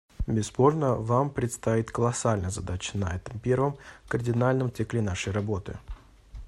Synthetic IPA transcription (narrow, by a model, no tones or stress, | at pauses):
bʲɪspo̞rnəvampɾʲɪt̪st̪ɐit̪kəlˠɐsalʲnəjəzɐd̪at͡ɕə̥nɐɛt̪əmpʲervəmkərdʲɪnalʲnəmt̪sɨklʲɪnaʂəjrɐbo̞t̪ɨ̰